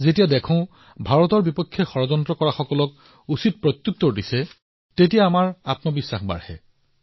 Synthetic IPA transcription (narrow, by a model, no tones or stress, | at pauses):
zetijadɛkʰɔ̃ʊ̃ | bʱaɹɔtɔɹbipɔkʰːjɛxɔɹɔzɔntɹɔkɔɹaxɔkɔlɔk̚ | usit̚pɹɔt̪jut̪ːɔdisɛ | tetijaːmaɹatmɔbisːaxba̰ɹhɛ̰